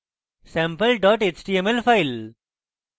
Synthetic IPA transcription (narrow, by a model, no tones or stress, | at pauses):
sɛ̃mpəlɖɔːʈet͡ʃʈiːemelfaɪl